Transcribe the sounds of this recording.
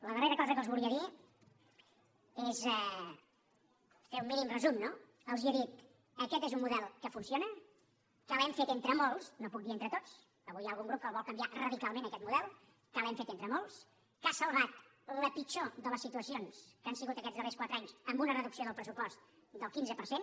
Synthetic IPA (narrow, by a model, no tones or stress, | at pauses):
ləðəreɾəkɔzəkəlˠzβuliəði | ezɛ | feumːinimrəzumno | əlˠziəðit̪ | əkɛt̪ezummuðɛlˠkəfunsionə | kəlˠɛmfet̪ent̪ɾəmolˠsnopuk̚d̪ient̪ɾət̪ot͡s | əβujaːlˠɣuŋɡɾup̚kəlˠβɔlˠkəmbiarəðikalˠmẽnəkɛt̪muðɛlˠ | kəlɛmfet̪ent̪ɾəmolˠs | kasəlˠβat̪ | ləpit͡ʃoðələsit̪uəsionskansiɣut̪əkɛd͡zðərɛskwat̪ɾəaɲsəmbunərəðuksioðəlˠpɾəsupɔst̪̚ | d̪əlˠkinzəpəɾsen